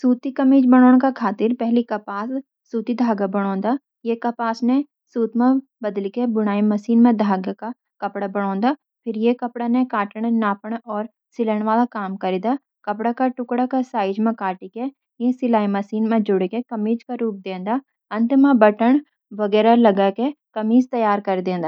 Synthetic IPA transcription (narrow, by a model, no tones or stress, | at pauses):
suːt̪ikɐmiːd͡ʒbɐɽ̃oːɽ̃kakʰaːt̪ɪɾpɛɦlikɐpaːsː | uːt̪id̪ʱaːɡabɐɽ̃õːnd̪a | jekɐpaːsnẽ | suːt̪mã | bɐd̪likebʊɽ̃aːimɐsiːnmẽd̪ʱaːɡaka | kɐpɽabɐɽ̃õːnd̪a | pʰɪɾjekɐpɽanekaːʈəɽ̃naːpəɽ̃ɔːɾ | sɪləɽ̃ʋaːlakaːmkɐɾiːd̪a | kɐpɽakaʈʊkɽakasaːɪd͡ʒmẽkaːʈike | jẽsɪlaːimɐsiːnmẽd͡ʒʊɽekekɐmiːd͡ʒkaɾuːp̚d̪ẽːnd̪aː | ɐ̃nt̪mãbəʈəɳ | ʋɐɡɛːɾalɐɡakekɐmiːzt̪ɐjaːɾkɐɾd̪ẽːn̆d̪aː